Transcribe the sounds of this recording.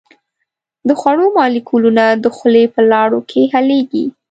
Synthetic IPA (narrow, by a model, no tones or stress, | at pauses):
d̪əxwaɽomɑlikʰulunad̪əxlepəlɑɽokʰeɦaleɡḭ